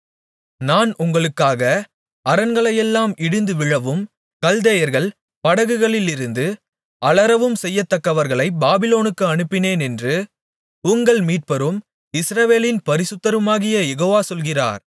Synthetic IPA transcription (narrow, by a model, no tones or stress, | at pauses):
naːnʔʊŋɡɐɭɯkːaːɣɐ | ɐɾɐnɡɐɭɐjɛlːaːmɪɽɯnd̪ɯʋɪɻɐʋɯm | kɐld̪ɐjɐɾɣɐɭ | pɐɽɐɣɯɣɐɭɪlɪɾɯnd̪ɯ | ʔɐɭɐɾɐʋɯmsɛjːɐt̪ːɐkːɐʋɐɾɣɐɭɐɪbaːbɪloːnɯkːɯɐɳɯpːɪneːnɛndrɯ | ʊŋɡɐɭmiːʈ̚pɐɾɯm | ɪsɾɐʋeːlɪnpɐɾɪsɯt̪ːɐɾɯmaːɣɪjɐjɛɣoːʋaːsɔlɣɪra̰ːɾ